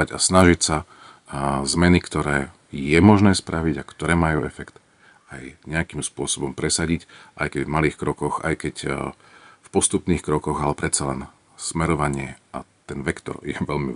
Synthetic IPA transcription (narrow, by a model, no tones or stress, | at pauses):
aɟa̰snaʒicsa | zmɛnikt̪ɔɾɛː | jɛmɔʒnɛːspɾʔaʋiɟakt̪ɔɾɛːmajuːɛfɛkt̪ | ajɲɛakimspʊɔsɔbɔmpɾɛsaɟicʔajkɛɟvmaliːxkɾɔkɔɣa̰jkɛc | fpɔst̪upniːxkɾɔkɔɣalɛpɾɛt̪t͡salɛn | smɛɾɔʋaɲɪɛʔa̰t̪ɛnʋɛkt̪ɔ̰ɾjɛ̰ʋɛlmḭ